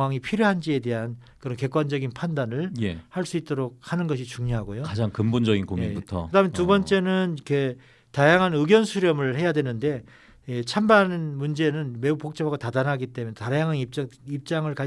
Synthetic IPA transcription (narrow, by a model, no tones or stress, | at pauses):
waŋipʰiɾjoɦand͡ʑie̞de̞ɦan | kɯɾʌnke̞k͈wand͡ʑʌɡinpʰandanɯɭjehaɭs͈uit̚t͈oɾok̚hanɯnɡʌɕ̬ʰit͡ɕuŋɲoɦaɡojokad͡ʑaŋkɯmbond͡ʑʌɡinkomibutʰʌ̰ɯdamentubʌnt͡ɕ͈e̞nɯnikʰe̞ | tajaŋɦanɯɡjʌnsʰuɾjʌmɯɭhe̞jadwe̞nɯnde̞ | et͡ɕʰambanɯnmund͡ʑe̞nɯnme̞upok̚t͡ɕ͈ʌpaɡotadanɦaɡit͈e̞mjntajaŋɦanit͡ɕip̚t͡ɕ͈aŋɯɭka